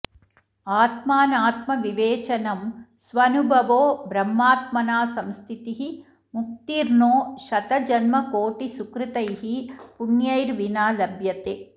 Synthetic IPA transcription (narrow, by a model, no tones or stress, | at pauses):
aːt̪maːnaːt̪mɐʋiʋeːt͡ʃɐnɐmsʋɐnubʱɐʋoːbɾɐmːaːt̪̚mɐnaːsɐmst̪ʰit̪iɦi | muk̚t̪iɾnoːʃɐt̪ɐd͡ʒɐnmɐkoːʈisukɾit̪ɐjɦipunjɐjɾʋinaːlɐbʱjɐt̪eː